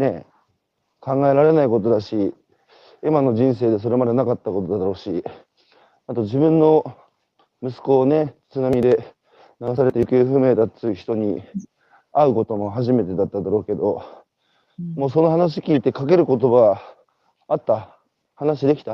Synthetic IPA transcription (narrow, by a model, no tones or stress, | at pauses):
ne̞ | kãŋɡae̞ɾaɾe̞naiko̞t̪o̞d̪aɕi | imano̞ʑĩɰ̃se̞ːd̪e̞s̬o̞ɾe̞mad̪e̞nakat̪ːako̞t̪o̞d̪ad̪aɾo̞ːɕi | at̪o̞ʑibɯ̟̃nːo̞ | mɯ̟sɨ̥ko̞ːne̞t͡sɨnamʲid̪e̞ | naɡasaɾe̞t̪eikeɯɸɯ̟meːd̪aɨiçi̥t̪o̞ɲ̟ḭ | aɯ̟ko̞t̪o̞mo̞ɦaʑime̞t̪e̞d̪at̪ːad̪aɾo̞ːke̞d̪o̞ | mo̞ːso̞no̞ɦanaɕ̬i̥kʲiːt̪e̞kak̬e̞ɾɯ̟ko̞t̪o̞ba | at̪ːa | hanaɕid̪e̞kʲi̥t̪a